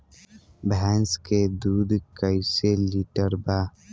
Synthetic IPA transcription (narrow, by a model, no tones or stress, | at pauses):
bɛːnsked̪uːd̪kəjseliːʈəɾba